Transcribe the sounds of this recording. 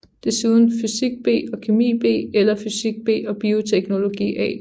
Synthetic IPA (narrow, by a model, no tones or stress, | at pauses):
d̥e̝suðˠn̩fysiɡ̥̚b̥e̝̰ːɒ̽kʰe̝mḭːb̥e̝̰ːelɐfysiɡ̥̚b̥e̝̰ːɒ̽b̥io̝t͡sʰeɡ̥no̝lo̝ɡ̥ḭːɛ̰ː